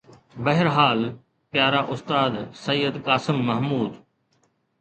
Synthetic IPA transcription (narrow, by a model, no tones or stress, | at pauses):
bɐɦɪɾɦaːl | pjaːɾaːʔʊst̪aːd̪sɐjːəd̪kaːsɪmːɐɦmuːd̪